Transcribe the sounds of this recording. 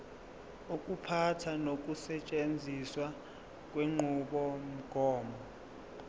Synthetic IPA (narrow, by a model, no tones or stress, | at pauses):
uk̬ʼupʰatʰanok̬ʼusɛt͡ʃʼend͡zʱiswa | k̬ʼweŋ͡ǃʱuɓɔm̩ɡ̥ʱɔːmɔ